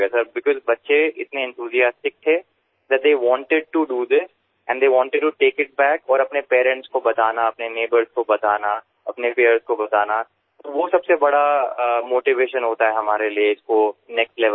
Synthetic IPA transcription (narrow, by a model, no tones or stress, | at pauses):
ɛsɐɾbɪkɔzbɐtːʃeɪt̪neɛ̃nt̪ʰuːzijaːsʈɪk̚t̪ʰe | d̪ɛʈ̚d̪eːʋɔ̃ːɳʈɪɖ̚ʈuɖuːd̪ɪs | ɛ̃ɳɖd̪eːʋɔ̃ːɳʈɪɖ̚ʈuʈeːkɪʈ̚bɛːkɔːɾɐpnepɛːɾɛ̃ɳʈskobɐt̪aːnaɐpneneːbəɾzkobɐt̪aːna | ɐpnepeːəɾzkobɐt̪aːna | t̪oʋosɐbsebɐɽamoːʈɪʋeːʃə̃nɦoːt̪aɦɛɦɐmaːɾelieɪskonɛksʈlɛʋə